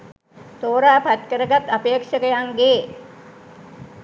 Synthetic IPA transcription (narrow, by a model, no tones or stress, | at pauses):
t̪oːɾaːpat̪kəɾəɡat̪apeːkʂəkəjaŋɡeː